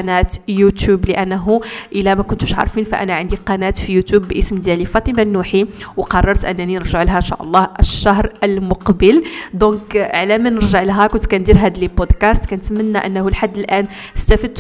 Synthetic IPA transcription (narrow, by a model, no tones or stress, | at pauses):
næt̪jut̪jubləʔænːɦuʔəlæmækʊnt̪uʃʕɑ̰ɾˤfinfæʔæ̰næʕənd̪iqɑnæt̪fijut̪jubːʔəsmd̪jælifɑt̪ˤəmanːuħiwqɑrˤːɑɾˤt̪ʔə̰nːæninəɾʒəʕlɦæʔənʃɑ̰ʔɑ̰lˤːɑhʔəʃːɑɦɾʔəlmʊqbəld̪ɔ̃kʕlæmænəɾʒəʕlɦækʊnt̪kænd̪iɾɦæd̪libod̪kæst̪kænət̪mənːæʔə̰nːhulħad̪ːəlʔæn | əst̪æfəd̪̚t̪